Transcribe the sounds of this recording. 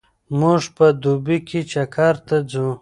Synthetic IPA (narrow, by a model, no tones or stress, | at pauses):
muʐpəd̪ubikit͡ʃakʰaɾt̪ad͡zũ